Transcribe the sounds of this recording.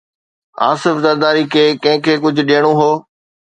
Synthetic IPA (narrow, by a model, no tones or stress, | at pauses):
a̰ːsɪfzɐɾd̪aːɾikʰeːkɐ̃ɦɪ̃kʰeːkʊd͡ʑʱʊɗijəɽ̃oɦoː